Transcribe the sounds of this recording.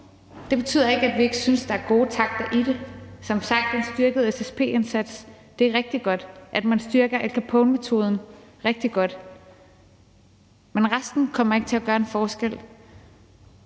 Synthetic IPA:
d̥e̝b̥e̝t͡sʰy̰ð̰ˠɐe̝ɡ̥əæd̥ʋie̝ɡ̥əsynsd̥ɑ̈æɐɡ̥o̝ːt͡sʰɑ̈ɡ̥̚d̥ɐʔid̥e̝sɒ̽msɑ̈ɡ̥̚d̥e̝nsd̥ɶɐɡ̥əð̩ˠesespʰe̝̰ːe̝nsæd̥s | d̥e̝æɐʁeɡ̥̚d̥iɡ̥ɒ̽d̥ʔæd̥mænsd̥yɐɡ̥ɐʔelkʰæpʰɔ̽ʊnme̝t͡sʰo̝̰ːð̞ˠn̩ʁeɡ̥̚d̥iɡ̥ɒ̽d̥ | menʁasd̥n̩kʰɒ̽m̰ɐe̝ɡ̥ə̥t͡sʰe̝læɡ̥ɶːɐe̝nfɒːsɡ̥el̰

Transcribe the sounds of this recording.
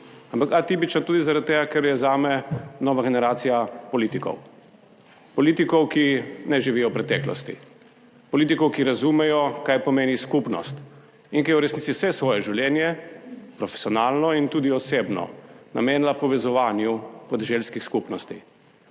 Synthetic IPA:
ampakat̪ip̬it͡ʃnat̪uːd̪izaɾad̪̚t̪ːeːɡakɛɾjɛzaːmɛnɔːʋaɡɛnɛɾaːt̪sijapɔliːt̪ikɔ̰w | pɔlit̪ikɔwkinɛʒiʋijɔwpɾɛt̪ɛklɔ̰st̪ḭ | pɔliːt̪̬ikɔwkiɾazumɛjɔkaːjpɔmeːniskupnɔ̰st̪ | inkijɛuɾɛsnitsiwsɛsʋɔːjɛʒiwljɛnjɛpɾɔfɛ̥siɔnaːlnɔint̪uːd̪iɔsebnɔ̰na̰meːnlapɔʋɛzɔʋaːnjupɔd̪ɛʒelskixskupnɔst̪i

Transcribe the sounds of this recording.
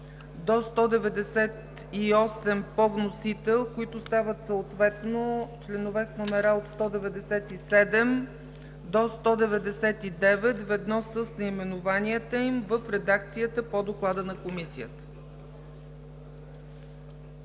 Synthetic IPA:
d̪ost̪ɔd̪ɛvɛd̪ɛsɛt̪ | iɔsɛmpɔvnosit̪ɛlˠkoit̪ʊst̪avət̪səot̪vɛt̪not͡ʃlɛnovɛsnomɛɾaot̪st̪ɔd̪ɛvɛd̪ɛsɛt̪isɛd̪ɛm | d̪ost̪ɔd̪ɛvɛd̪ɛsɛt̪id̪ɛvɛt̪vɛd̪nɔsəsnɐimɛnʊvaniət̪əimvəfɾɛd̪ak̚t̪sijət̪əpod̪oklˠad̪ənɐkomisijət̪ə̥

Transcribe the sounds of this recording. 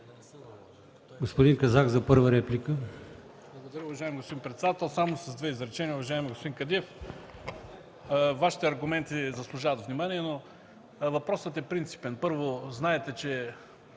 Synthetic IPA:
ɡospod̪inkɐzakzɐpɤɾvəɾɛplʲikə | blˠɐɡod̪ɐɾʲəʊvɐʒaɪmiɡospod̪inmpɾɛt̪sɛd̪at̪ɛlˠsamosɐzd̪vɛizɾɛt͡ʃɛnijəʊvɐʒaɛmiɡospod̪iŋkɐd̪iɛf | vaʃi̥t̪ɛɐɾɡʊmɛnt̪izɐslˠʊʒavɐt̪vnimaniɛno | vɐpɾɔsət̪ɛpɾint̪si̥pɛnpɤɾvoznaɛt̪ɛt͡ʃɛ

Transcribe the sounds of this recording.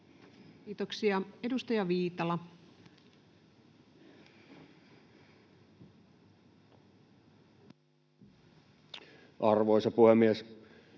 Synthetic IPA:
iːt̪oksiɑe̞dust̪ɑjɑʋiːt̪ɑlɑ | ʔɑrʋoˑisɑpuhemːies

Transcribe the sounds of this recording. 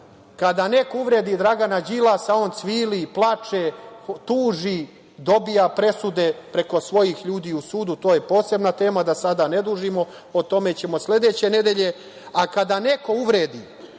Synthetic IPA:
kad̪anekouʋɾeːd̪id̪ɾaɡanad͡ʑilasaont̪sʋiːliplˠat͡ʂet̪uːʒi | d̪o̞bijapɾe̞sud̪e̞pɾe̞ko̞sʋo̞jixʎuːd̪iːusuːd̪ut̪o̞ːje̞po̞ːse̞bnat̪e̞ːmad̪asad̪ane̞d̪uːʒimo̞ | ot̪o̞me̞t͡ɕe̞mo̞sle̞d̪e̞ːt͡ɕe̞ne̞d̪e̞ʎe̞ | akad̪ane̞ko̞uʋɾeːd̪i

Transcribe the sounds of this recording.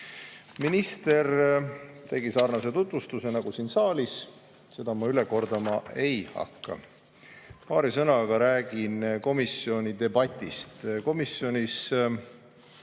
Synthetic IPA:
minist̪e̞r | t̪e̞ɡisɑːrnɑse̞t̪ut̪vust̪use̞nɑɡ̥usinsɑːlis | se̞d̪̥ɑmɑyleko̞rd̪̥ɑmɑʔe̞jhɑ̰kːɑ̰ | pɑːɾisɤnɑɡ̥ɑɾæːɡ̥inko̞misio̞nʲid̪e̞bɑt̪ʲːˑist̪ko̞misjo̞nʲis

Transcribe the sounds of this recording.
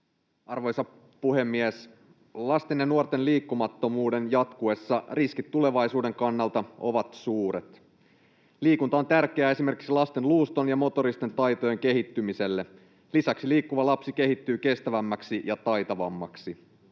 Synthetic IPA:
ɑrʋo̞jsɑ | puɦe̞mːies | lɑst̪e̞njɑnuort̪e̞nliːkːumɑt̪ːo̞muːde̞njɑt̪kue̞sːɑriskit̪ːule̞ʋɑjsuːde̞ŋkɑnːɑlt̪ɑo̞̰ʋɑt̪suːɾe̞t̪ | liːkunt̪ɑo̞nt̪ærk̟eæːe̞simerki̥ksilɑst̪e̞nluːst̪o̞njɑmo̞t̪o̞ɾist̪ent̪ɑjt̪o̞je̞ŋke̞ɦit̪ːymise̞lːe̞ | lisæksiliːkːuʋɑlɑpsike̞ɦit̪ːyːke̞st̪æʋæmːæksijɑt̪ɑjt̪ɑʋɑ̰mːɑ̰ksi

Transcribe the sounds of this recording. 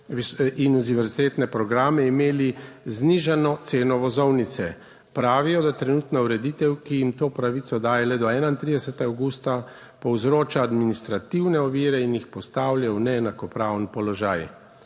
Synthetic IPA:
ʋisinuziʋɛɾzit̪eːt̪nɛpɾɔɡɾaːmɛimeːlizniʒanɔt̪seːnɔʋɔzɔwnit̪sɛ | pɾaːʋijɔd̪at̪ɾɛnuːt̪nauɾɛd̪it̪ɛwkijimt̪oːpɾaʋit̪sɔd̪aːjɛlɛd̪ɔɛːnaint̪ɾid̪ɛsɛt̪ɛɡawɡuːst̪a | pɔwzɾoːt͡ʃaːd̪minist̪ɾat̪iwnɛɔʋiːɾɛinjixpɔst̪aːwljawnɛːnakɔpɾaːwnpɔlɔʒaːj

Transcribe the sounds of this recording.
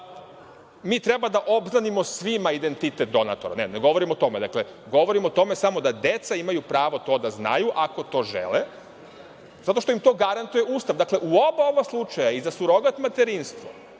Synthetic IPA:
miːt̪ɾebad̪aʔo̞bznanimo̞sʋimaid̪e̞nt̪it̪et̪̚d̪o̞na̰t̪oɾa̰neneɡo̞ʋo̞ɾimot̪o̞me̞d̪akle̞ɡo̞ʋo̞ɾimot̪o̞mesamo̞d̪ad̪e̞t̪saimajupɾaːʋo̞t̪o̞ːd̪azna̰juʔako̞t̪o̞ːʒḛle | zat̪o̞ʃt̪oimt̪o̞ːɡaɾant̪uje̞uːst̪aʋd̪akle̞ʔuobao̞baslˠut͡ʃajaizasuɾo̞ɡat̪mat̪eɾinst̪ʋo

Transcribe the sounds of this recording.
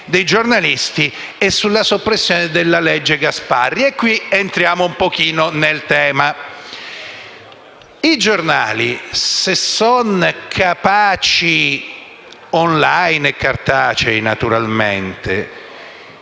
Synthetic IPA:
d̪ejd͡ʒornalist̪i | ɛsːulːasopːɾesːjoːned̪elːaled͡ʒːeɡaspa̰rːiekːwient̪ɾjaːmoumpok̟iːnonelt̪ɛːma | id͡ʒorna̰ːlisesːɔnkʰapaːt͡ʃi | ɔnlajnekːart̪aːt͡ʃejnat̪uɾalmḛnt̪ḛ

